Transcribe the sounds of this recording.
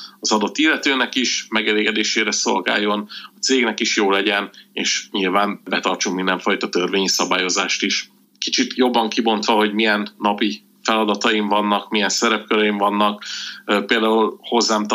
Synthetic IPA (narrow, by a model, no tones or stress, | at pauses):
ɒzɒd̪ot̪ːilːɛt̪øːnɛkiʃmɛɡɛleːɡɛd̪eːʃeːɾɛso̞lɡa̰ːjːo̞nɒt̪seːɡnɛkiʃjoːlɛɟɛnḛːʃɲilvaːnbɛt̪ɒrt͡ʃukmind̪ɛɱfɒjt̪ɒt̪ørveːɲisɒbaːjo̞zaːʃt̪iʃ | kit͡ʃit̪ʰjo̞bːɒŋkibo̞nt̪ʋɒɦo̞ɟmijɛnːɒpi | fɛlɒd̪ɒt̪ɒjiɱvɒnːɒkmijɛnsɛɾɛpkøɾɛjiɱvɒnːɒkːpeːld̪aːulho̞zːaːmt̪